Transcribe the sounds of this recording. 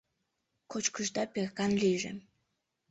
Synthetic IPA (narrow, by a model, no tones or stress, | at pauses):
kot͡ɕkəʃd̪ɑpexkɑnliʒḛ